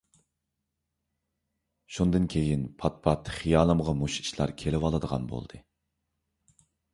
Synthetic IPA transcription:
ʃund̪ɨnkʲʰejinpʰɑt̪̚pʰɑt̪χijɑːlˠɨmʁɑmuʃi̥ʃlˠɑ̰ɾkʲʰelɪwɑlˠɨd̪əʁɑ̰nbo̰lˠd̪̥ɨ

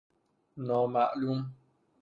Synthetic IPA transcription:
nɔ̃maʔlum

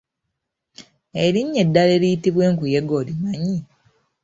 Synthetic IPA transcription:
eɾiɲːedːale̞ɾijitiβwe̞ːŋkuje̞ɡo̞limaɲi

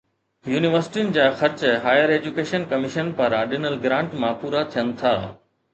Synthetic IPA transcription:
juːnɪʋəɾsɪ̥ʈiʊnɪ̆d͡ʑaːxɐɾt͡ɕɦaːjəɾeːd͡ʑukeːʃənkɐmɪʃənpɐɾãɗɪnəlɡɾãːɳʈmãpuːɾat̪ʰijənɪ̆t̪ʰaː

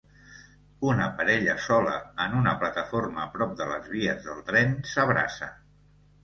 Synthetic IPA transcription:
unəpəɾɛʎəsɔlə̰ənunəplət̪əforməːpɾɔp̚d̪ələzβ̞iəzðəlˠt̪ɾɛnsəβ̞ɾa̰sə

